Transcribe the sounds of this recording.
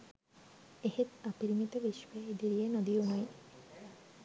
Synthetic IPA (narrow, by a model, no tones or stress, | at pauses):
ehet̪apiɾmit̪ebiʃwed̪iɾijenod̪ionɔj